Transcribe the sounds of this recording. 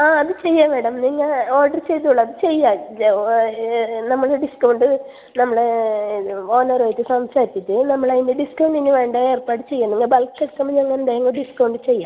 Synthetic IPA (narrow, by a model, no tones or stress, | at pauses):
aːɐðɨt͡ɕe̞jːameːɽɐmniŋːɐo̞ːrɖɐrt͡ɕejt̪ːuɭːɐɐðɨt͡ɕe̞jːa | nɐmːɐɭeɖiskɐwuɳɖɨ | nɐmːɐɭe | o̞ːnɐɾɐːjit̪ːɨsɐmsaːɾitːiʈːɨnɐmːɐɭaind̪eɖiskɐwɳɖinːiʋe̞ːɳɖɐe̞ːrpaːʈːɨt͡ɕe̞jːunːiŋːɐbɐlkːeʈkːɐmːɐɲeŋːɐnnd̪aːjɐŋːɐɖiskɐwɳɖɨt͡ɕe̞jːaː